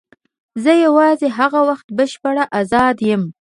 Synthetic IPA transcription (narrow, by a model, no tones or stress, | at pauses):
zəjawɑzeɦaɣawaxt̪bəʃpaɽaʔazɑd̪jəm